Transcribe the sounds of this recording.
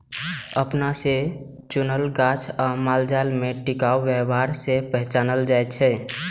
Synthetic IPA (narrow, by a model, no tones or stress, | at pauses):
əpnase | t͡ʃunəlɡat͡ʃʰamald͡ʒalmeʈikauʋɛbaɾsepəɦt͡ʃanəld͡ʒajt̪t͡ʃʰɛ